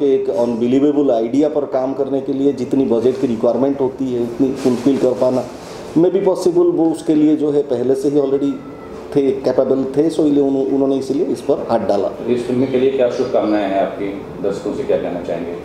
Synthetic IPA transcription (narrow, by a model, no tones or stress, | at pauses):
keeːkɐnbɪliːʋeːbəlaːɪɖijapɐɾkaːmkɐɾnekelied͡ʒɪt̪nibɐd͡ʒeʈkiɾɪkʋaːɾmẽɳʈɦoːt̪iɦɛʊt̪nifʊlfiːlkɐɾpaːna | mɛ̃bʱipɔːsɪbəlʋoʊskelied͡ʒoːɦɛpɛɦleseɦiɔːlɾeɖi | t̪ʰekɛːpebəlt̪ʰesoilieʊnõʊnɦõːneɪslieɪspɐɾhaːʈ̚ɖaːla̰ːɪsfɪlmĩkeliekjaːʃʊbkaːmnaẽɦɛ̃aːp̚ki | d̪ɐɾsk̪õsekjakɛ̰ɦnat͡ʃa̰ːɦẽːŋɡeː